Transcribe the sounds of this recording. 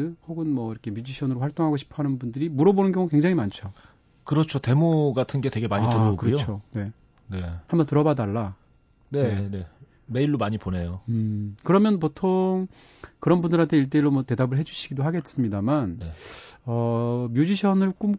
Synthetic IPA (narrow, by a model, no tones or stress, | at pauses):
ɯhoɡɯnmʌiɾʌkʰe̞mjud͡ʑiɕʰʌnɯɾoɸwaɭt͈oŋɦaɡoɕʰi̥pʰʌɦanɯnbundɯɾimuɾʌbonɯnɡjʌŋukwe̞ŋd͡ʑaŋimant͡ɕʰo | kɯɾʌt͡ɕʰote̞moɡatʰɯnɡe̞twe̞ɡe̞maɲitɯʌoɡkɯɾʌot͡ɕʰone̞ | ne̞hambʌntɯɾʌbadaɭːa | neene | me̞iɭːomaɲipone̞joɯkɯɾʌmjʌnp̬otʰoŋ | kɯɾʌnbundɯɾɦantʰe̞iɭt̬͈eiɾːomwʌte̞dabɯɭɦe̞d͡ʑuɕʰiɡidoɦaɡe̞s͈ɯmɲidamanneʌmjud͡ʑiɕʰʌnɯɭk͈um